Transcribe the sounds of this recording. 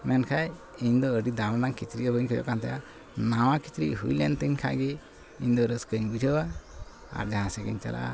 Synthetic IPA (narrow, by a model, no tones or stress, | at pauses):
mɛnkʰajiɲd̪ɔəɖid̪awnaŋkit͡ʃɾiʔəbəɲkʰɔd͡ʒɔ̰ʔkant̪aja | nawakit͡ʃɾḭʔɦujlɛnt̪iɲkʰa̰ʔɡi | iɲd̪ɔɾəskəɲbid͡ʒʱəwa | a̰ɾd͡ʒaɦãsɛɡḭɲt͡ʃa̰lʔa̰ʔa̰